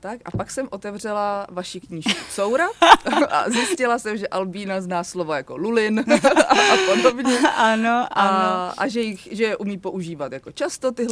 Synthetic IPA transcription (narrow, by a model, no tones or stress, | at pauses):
t̪akʔa̰paksɛmʔo̞t̪ɛvr̝ɛlavaʃɪkɲiːʃkuso̞wɾaʔa̰zjɪscɪlasɛmʒɛʔalbiːnaznaːslovojako̞lulɪn | apodobɲɛanoʔaaa̰ʒɛjɪxʒɛjɛʔumiːpo̞ʔuʒiːvat̪jako̞t͡ʃast̪ot̪ɪɦl